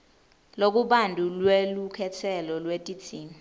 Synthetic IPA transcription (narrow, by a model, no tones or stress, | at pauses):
lok̬uɓandʱʼulwelukʰɛtʰɛlɔlwetʼitʰiːni